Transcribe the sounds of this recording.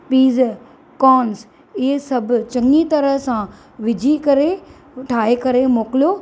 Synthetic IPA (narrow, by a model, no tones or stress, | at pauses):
piːz | kɔːns | ɪɦesɐbʱʊ̆t͡ɕɐ̃ŋɡit̪ɐɾəɦsã | ʋɪd͡ʑʱikɐɾe | ʈʰaːekɐɾemoːkɪlijoː